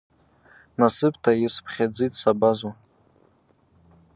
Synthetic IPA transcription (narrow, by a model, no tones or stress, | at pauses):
nasɨpʰʼtʰajɪspʰχʲad͡zitʼsabazu